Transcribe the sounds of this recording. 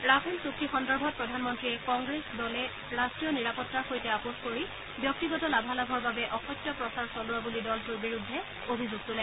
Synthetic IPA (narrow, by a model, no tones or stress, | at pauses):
ɹapʰensuktixɔndɔɹbʱɔt̚pɹɔdʱanmɔntɹiɛkɔŋɡɹesdɔlɛ | ɹastɹijɔniɹapɔtːaɹxojtɛapoxkoɹi | bjɔk̚tiɡɔtɔlabʱalabʱɔɹbabɛʔɔxɔtːjɔpɹɔsaɹsɔlʊabulidɔltuɹbiɹudʱːɛ | obʱizuɡ̚tulɛ